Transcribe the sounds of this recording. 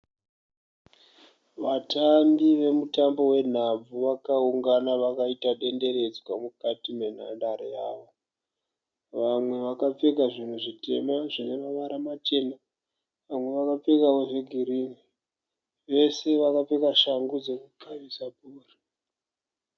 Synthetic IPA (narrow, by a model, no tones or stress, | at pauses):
ʋatambiʋe̞mutambo̞we̞n̤ab͡vuʋakauŋɡanaʋakaitaɗe̞nde̞re̞d͡zwamukatime̞n̤a̰ndaɾejaːʋo | ʋamwe̞ʋakap͡fekaʐin̤uʐite̞̰maʐineʋaʋaɾamat͡ʃe̞ma | ʋamwe̞ʋakap͡fekawoʐe̞ɡʱiɾiːni | ʋe̞se̞ʋakap͡fe̞kaʃaŋɡud͡zekukʰaʋisapuːri̥